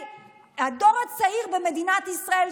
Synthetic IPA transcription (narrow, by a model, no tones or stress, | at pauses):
ado̞ʁat͡saiʁbeme̞d̪inat̪isʁael